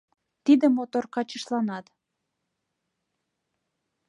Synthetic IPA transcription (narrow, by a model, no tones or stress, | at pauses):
t̪id̪əmot̪orkɑt͡ɕəʃlɑnɑt̪